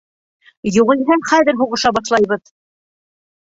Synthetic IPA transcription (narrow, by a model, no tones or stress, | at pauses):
juʁɤ̆jɦɘχæðɘɾɦuʁɤ̆ʃɑbɑʃlˠɑjβɤð